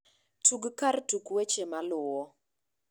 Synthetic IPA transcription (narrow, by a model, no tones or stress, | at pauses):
tuɡkartukwet͡ʃemalʊwɔ